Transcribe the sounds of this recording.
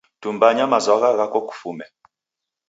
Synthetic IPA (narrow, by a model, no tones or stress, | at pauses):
tumbaɲamazwaɣaɣakɔku̥fumɛ